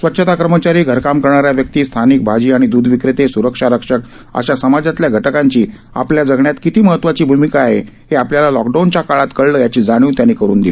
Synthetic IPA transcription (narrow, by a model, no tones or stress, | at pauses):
sʋətːɕʰət̪akɾəmət͡ɕaɾiːɡʱəɾkamkəɾɳaɾjaʋjək̚t̪iːst̪ʰanik̚bʱad͡ʑiːaɽ̃id̪uːd̪ʱʋikɾet̪esuɾəkʂaɾəkʂək̚ | ə̰ɕasəmad͡zat̪ljaɡʱəʈəkaɲt͡ɕiː | a̰pljad͡zəɡɳjat̪kit̪iːməɦət̪ːʋat͡ɕiːbʱumikaːɦe | heapljalalɔkɖant͡ɕakaɭat̪kəɭləːjat͡ɕiːd͡zaɽ̃juːt̪janikəɾṵːnd̪il